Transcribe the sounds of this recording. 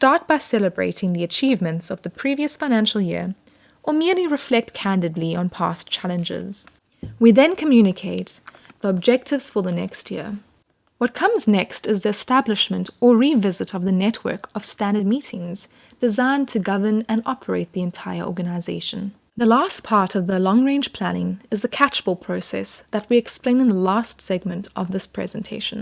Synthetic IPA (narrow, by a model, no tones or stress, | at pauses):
stɑɹt̚b̥aɪsɛlˠəbɹḛɪɾɪ̃ŋðiɨt͡ʃʰivmɨ̃ntsʌvðɨpʰɹ̥iviɨsfãɪnæ̃nʃl̩ˠjɪ̰ɹ | ʔə˞mɪɹliɹɨflɛk̚t̚kʰæ̃ndɨdˡliə̃npʰæ̰st͡ʃʰælˠə̃nd͡ʒɪ̰z̥ | wiðɨ̃nkʰəmjʉnɨkʰeɪt̪̚ | ðiəb̚d͡ʒɛk̚tʰɨvz̥fə˞ðənɛ̰kst̚ʰjɪɹ | wʌt̚kʰʌ̃mznɛkstɨzðiɨstæblɨʃmɨ̃ntə˞ɹivɪzɨɾʌvðɨnɛt̚ʰwɜ̰˞kʌv̥stæ̃ndə˞d̚miɾɪ̃ŋz̥ | d̥ɨzãɪ̃ntʰɨɡʌvə˞nɨ̃nɑpʰə˞eɪt̪̚ðiɨ̃ntʰaɪə̰˞ʔɔ̰ɹɡɨnaɪzeɪʃɨ̃n̩ | ðəlæspʰɑɹɾʌvðəlɔ̃ŋɹẽɪ̃nd͡ʒ̥pʰl̥ænɪ̃ŋɨzðɨkʰæt͡ʃb̥l̩ˠpʰɹ̥oʊsɛ̰sðɨt̚wiɨksplẽɪ̃nɨ̃nðəlæstsɛɡ̚mɨ̃ntʰʔʌvðɪspʰɹ̥ɛ̰zɨ̃ntʰeɪʃɨ̃n̩